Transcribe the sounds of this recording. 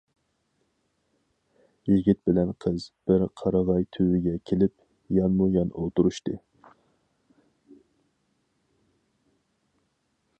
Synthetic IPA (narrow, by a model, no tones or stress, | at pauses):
jiɡʲit̪̚bɪlɛnqʰəzb̥ɪɾqʰɑɾɑʁɑjt̪ʰywɪɡʲɛkʲʰelɪp̚ | jɑnmujɑnolˠt̪uɾuʃt̪ɨ